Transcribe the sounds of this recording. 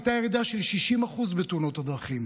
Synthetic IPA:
t̪ajeʁid̪aʃelʃiʃimaχuzbet̪uno̞t̪ad̪ʁaχim

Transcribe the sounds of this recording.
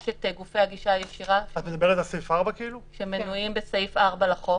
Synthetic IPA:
ʃet̪eɡufejaɡiʃajeʃiʁaat̪med̪abeʁetalsejfaʁbakeiluʃemenuimbesejfaʁbalaχo

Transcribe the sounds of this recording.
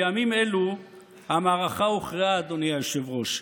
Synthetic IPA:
amimelu | hamaːʁaχauχʁiaːd̪onijajoʃevʁo̞ʃ

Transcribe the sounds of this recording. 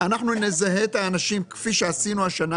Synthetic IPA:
anaχnunezaɦe̞t̪aːnaʃimkfiʃe̞asinuaʃana

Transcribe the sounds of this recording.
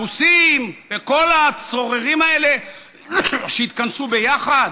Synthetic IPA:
usimbeko̞lat͡so̞ʁeʁimae̞le̞ | ʃeit̪̚kansube̞jaχad̪

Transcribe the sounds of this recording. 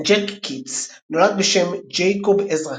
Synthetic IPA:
d͡ʒekːits | nolad̚beʃemd͡ʒejkobezʁa

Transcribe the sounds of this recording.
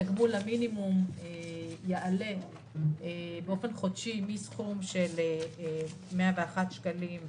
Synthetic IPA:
aɡmulaminimumejeʔale | beo̞fe̞nχodʃimisχumʃele | meaveaχat̪ʃkalim

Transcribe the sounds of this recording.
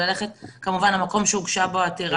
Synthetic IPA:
ale̞χet̪kamuvanamako̞mʃeuɡʃaboat̪iʁ

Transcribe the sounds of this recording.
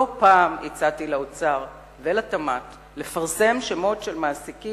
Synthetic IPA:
opaːmit͡satilaot͡saʁ | velatamat | le̞faʁse̞mʃemo̞tʃelmaːsiki

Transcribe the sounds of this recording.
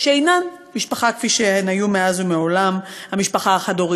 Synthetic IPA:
ʃeejnan | miʃpaχakfiʃehenajumeazumeo̞lamhamiʃpaχaaχadoʁi

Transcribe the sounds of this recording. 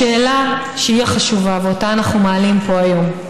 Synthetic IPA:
eːla | ʃeiaχaʃuvaveotaːnaχnumaːlimpo̞ajo̞m

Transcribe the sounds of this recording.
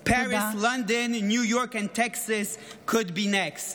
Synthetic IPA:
pʰæɹɪslʌ̃ndɨ̃nːjujɔɹkɨ̃ntʰɛksɨskʰʊd̚binɛkst

